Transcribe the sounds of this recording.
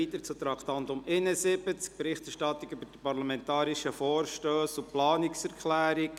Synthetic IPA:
iːt̪əɾt͡sut̪ɾɑkt̪ɑnd̪ʊmɪnəsɪbət͡sk̚pɾɪχtɛɾʃtɑt̪ːiɡybəd̥ipɑɾlɑmɛnt̪ɑːɾiʃəfɔːɾʃtøːsʊplɑːniksɛɾkʰlæːɾik

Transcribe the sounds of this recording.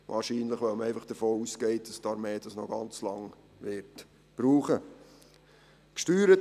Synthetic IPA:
ʋʔɑ̰ːɾʃiːnləχʋɛwməɛɪfɑχd̥əfoːuːskɛɪt̚d̥ɑstɑɾmeːd̥ɑsnɔɡɑ̰nt͡slɑŋ | ʋɪɾt | b̥ɾuːχə | kʃtyːɾət

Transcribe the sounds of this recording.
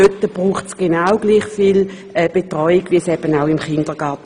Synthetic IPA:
øtːəb̥ʁuːχtsɡ̥enaʊɡliːχfiːl | ɛːb̥etʁɔʏiɡ̥ʋiəsɛb̥ənaʊimχɪnd̥əɡ̥ɑɐt

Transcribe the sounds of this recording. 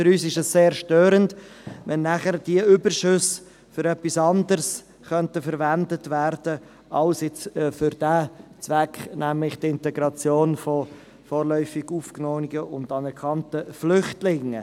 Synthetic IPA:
fɨɾyːsɪʃɛsːeːɾʃtøːɾəndʋɛnːæχəɾd̥iəʏbərʃʏs | fʏɾɛpːisɑnd̪əɾs | χœntəfəɾvændətvæːrd̥ə | ʔɑlsɪt͡sːfʏɾd̥æːt͡sʋækχnæmlɪχt̪ɪntɛɡɾɑt͡sjoːnfɔ | foːɾlœʏfɪɡ̥uːfknɔːnɪɡ̥əʔʊndɑnɛɾkʰɑntəflʏχtlɪŋə

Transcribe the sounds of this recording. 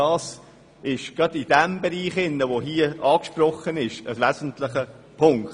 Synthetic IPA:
ɑːs | ɪʃɡ̥ɾɑdɪd̥ɛmbɛɾiːχɪnːəʋoɦiːəɑːkʃpɾɔχːənɪʃəsʋæzən̩t̪lɪχə | pʰʊŋkt

